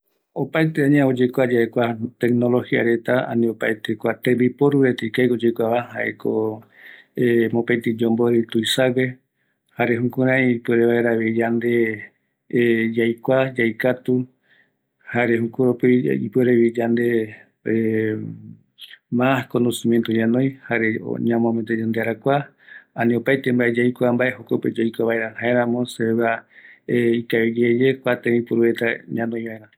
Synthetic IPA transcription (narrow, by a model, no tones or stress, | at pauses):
opaet̪eãɲãod͡ʒekʷad͡ʒaekʷat̪eknolohia̰ɾe̞t̪aa̰nĩopaet̪ekʷat̪ẽmbipoɾuɾet̪ikajod͡ʒekʷaβahaʔeko | emopãt̪id͡ʒõmboɾit̪uisawe | haɾeɦũkuɾãĩipweɾeβaeɾaβid͡ʒand̪e̞ | d͡ʒajkʷad͡ʒajkat̪u | haɾehũkuɾopiḭpweɾeβid͡ʒand̪e | e | maskonosĩmjent̪oɲãnõj̃haɾeo̰ɲãmõmet̪ed͡ʒand̪eaɾakʷa | ãnĩopajt̪embaʔed͡ʒajkʷambaʔeɦokoped͡ʒajkʷaβaeɾahaeɾãmõseβa | ikaed͡ʒed͡ʒekʷat̪ẽĩpuɾuβet̪aɲãnõj̃βaẽɾã